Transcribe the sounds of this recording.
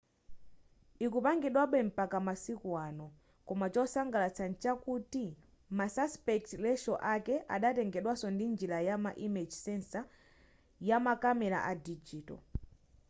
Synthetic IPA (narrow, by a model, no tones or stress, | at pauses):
ikupaŋɡɛɗwaɓɛm̩pakamasikwanɔ | kɔmat͡ʃɔsaŋɡalat͡sʰant͡ʃakuti | masaspɛktlɛʃɔʔakɛʔa̰ɗatɛŋɡɛɗwasɔndind͡ʒilajamaʔimid͡ʒsɛnsa | jamakamɛɾa̰ʔadid͡ʒiːtɔ̰